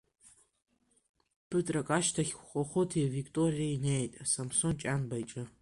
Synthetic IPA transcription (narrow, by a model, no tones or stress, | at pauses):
pʰɨtʼrakʼaʃtʰaχʲʷχʷʼaχotʰiavikʰʼtʼorijainejtʼasamsont͡ʃʼanbajt͡ʃʼɨ